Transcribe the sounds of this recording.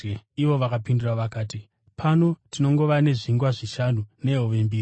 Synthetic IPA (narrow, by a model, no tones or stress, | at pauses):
iʋo̞ʋakapindiraʋakaːti | pʰano̞tino̞ŋɡo̞ʋane̞ʐiŋɡwaʐiʃanune̞ɦoʋembiːri